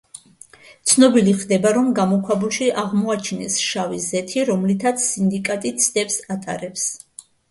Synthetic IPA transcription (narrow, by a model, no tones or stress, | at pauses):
t̪sʰnɔbiliχd̪ɛbaɾɔmɡamɔkʰwabulˠʃiʔaʁmɔat͡ʃʰinɛsʃavizɛt̪ʰiɾɔmlit̪ʰat̪sʰːind̪ikʼat̪ʼit̪sʰd̪̥ɛpsat̪ʼa̰ɾɛps